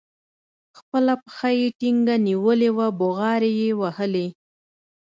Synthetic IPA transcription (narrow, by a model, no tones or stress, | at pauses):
xpəlapə̥xajeʈiŋɡaniwəlewaboɣɑɾejewahəle